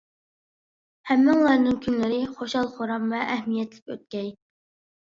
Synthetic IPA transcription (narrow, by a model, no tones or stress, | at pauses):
hæmːɪŋlˠɑɾnɨŋkʲʰynlɪɾɪχoʃɑlˠχoɾɑmvɛʔːhmijɛt̪lɪkʲø̰t̪̚kʲɛj